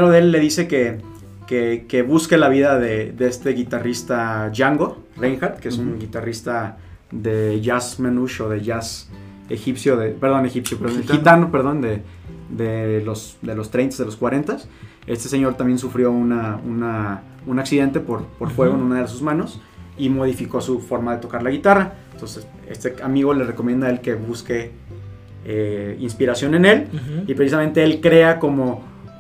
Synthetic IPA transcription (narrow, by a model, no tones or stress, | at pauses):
eɾoðeelːe̞ðise̞ke | kekeβuske̞laβiðaðe̞ðeest̪e̞ɣit̪arist̪aʝaŋɡo̞ | reŋxaɾt̪keesuuŋɡit̪arist̪a | ðeʝasmenuʃo̞ðe̞ʝas | exipsjoðepeɾðo̞ne̞xipsjopeoxit̪anope̞ɾð̞o̞nd̪ed̪elo̞s | d̪elo̞st̪ɾejnt̪azðelo̞skwaɾe̞nt̪as | e̞st̪e̞se̞ɲo̞ɾt̪ambjensufɾjo̞unauna | unaksiðe̞nt̪e̞poɾpo̞ɾfwe̞ɣo̞enũnaðeðes̬uzmãno̞s | imo̞ð̞ifiko̞sufo̞ɾmaðe̞t̪o̞kaɾlaɣit̪araent̪o̞nses | e̞̰st̪eamiɣo̞le̞reko̞mjend̪ae̞lke̞βuske̞ | einspiɾasjo̞ne̞ne̞lipɾe̞sis̬amẽnt̪e̞elkɾe̞ako̞mo̞